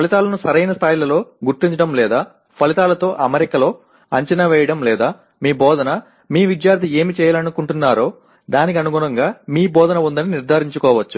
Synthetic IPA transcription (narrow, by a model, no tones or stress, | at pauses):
pʰɐlit̪aːlɐnusɐɾɐjnɐst̪ʰaːjilɐlo̞ːɡuɾt̪iɲt͡ʃɐɽɐmlɛːd̪aː | pʰɐlit̪aːlɐt̪o̞ːʔɐmeɾikɐlo̞ː | ɐɲt͡ʃɐnɐʋɛːjɐɽɐmlɛːd̪aː | miːbɔːd̪ʱɐnɐ | miːʋid̪jaːɾt̪ie̞ːmit͡ʃɛːjɐlɐnukuɳʈunːaːɾo̞ː | d̪aːnik̬iɐnuɡuɳɐŋɡaːmiːbɔːd̪ʱɐnɐund̪ɐniniɾd̪ʱaːɾiɲt͡ʃukɔːʋɐt͡ʃːu